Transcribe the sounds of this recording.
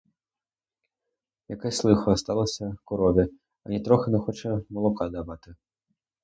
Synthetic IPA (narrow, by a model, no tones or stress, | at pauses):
jakasʲlˠɨxuast̪alˠɐsʲɐkuɾɔvʲɛ | ɐnʲɛt̪ɾɔxɐnɛxɔt͡ʂɐmɐlˠukad̪avat̪ɨ